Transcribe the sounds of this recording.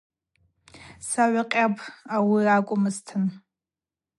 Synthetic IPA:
saʕʷaqʲʼapʰawirakʷʼʊmɨztʰɨn

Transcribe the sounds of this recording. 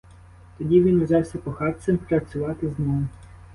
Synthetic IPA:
t̪ɔdʲiʋʲinʋzʲɑwsʲɐpɔxɑrt̪sʲɛmpɾɐt͡sʲʊʋɑt̪ɪznɔm

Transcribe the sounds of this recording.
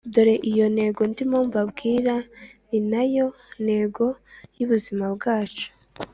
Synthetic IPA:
udoɾe̞ʔijo̞ne̞ːɡo̞ndimoːmvabɡiːɾaninajo̞ | n̥he̞ɡo̞juβuzimabɡaːt͡ʃo̥

